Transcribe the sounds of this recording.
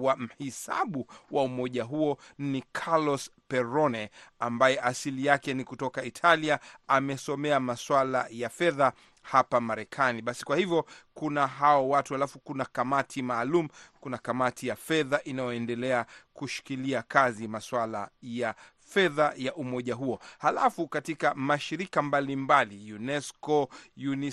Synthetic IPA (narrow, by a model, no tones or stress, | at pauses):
wam̩hisa̰ɓuwaumɔʄaɦuɔnikʰalɔspɛɾɔnɛambajɛʔasilijakɛnikutɔkaitʰaliaamɛsɔmɛamaswala̰jafɛða | hapamaɾɛkʰaniɓasi̥kwahivjɔkunaɦaɔwatuhalafukunakamatʰimaːlum̩kunakamatʰijafɛðaʔinajɔɛndɛlɛakuʃi̥kiliakazimaswala̰ja | fɛðajaʔumɔʄaɦuɔhalafukatikamaʃiɾikambalimbalijunɛskɔjunɛ